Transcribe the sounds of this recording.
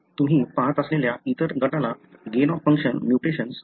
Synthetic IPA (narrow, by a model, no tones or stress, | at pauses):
t̪um̤iːpaɦət̪əsleljait̪əɾɡʱəʈalaɡenɔfːə̃ŋkʂənmjuʈeɕəns